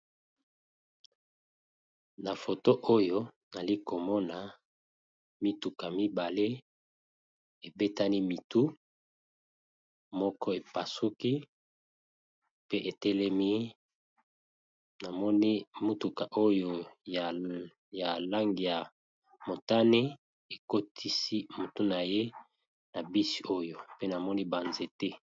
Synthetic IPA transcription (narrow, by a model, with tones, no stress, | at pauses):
na˨fo˨to˦ʔo˦jo˦ | na˨li˦ko˨mɔ˦na˨ | mi˦tu˨ka˨mi˦ba˨le˦ | e˨be˦ta˦ni˦mi˨tu˦ | mɔ˦kɔ˦e˨pa˨su˦ki˦ | pe˦ʔe˨te˦lɛ˦mi˦ | na˨mɔ˦ni˦mu˦tu˨ka˨ʔo˦jo˨ | ja˨la˦ŋɡi˨ja˨ | mo˨ta˦ne˦ | e˨ko˦tʰi˦si˦mo˨tu˦na˨je˦ | na˨bi˦si˦o˦jo˨pe˦na˨mɔ˦ni˦ba˨nze˨te˦